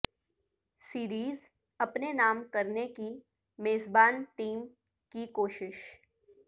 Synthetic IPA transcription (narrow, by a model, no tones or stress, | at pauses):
siːɾiːz | ɐpnenaːmkɐɾneki | meːzbaːnʈiːm | kikoːʃɪʃ